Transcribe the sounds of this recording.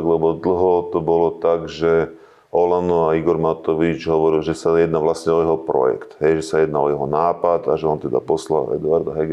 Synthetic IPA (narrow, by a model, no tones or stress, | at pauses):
ɡlɛbɔd̪l̩ɦɔt̪ɔbɔlɔt̪aɡʒɛ | ɔlanɔaiɡɔɾmat̪ɔʋit͡ʃɦɔʋɔɾilʒɛsajɛd̪naʋlasɲɛɔjɛɦɔpɾɔ̰jɛ̰kt̪ɦɛjʒɛsajɛd̪naɔjɛɦɔnaːpad̪aʒɛɔnt̪ɛd̪a̰pɔsla̰ɛ̰d̪ʊaɾd̪aɦɛɡ